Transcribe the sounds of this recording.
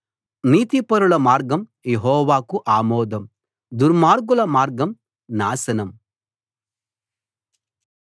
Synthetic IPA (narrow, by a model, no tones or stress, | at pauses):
niːt̪ipɐɾuɭɐmaːɾɡɐmjeɦɔːʋaːkuʔaːmɔːd̪ɐm | d̪uɾmaːɾɡulɐmaːɾɡɐm | naːsɐnɐm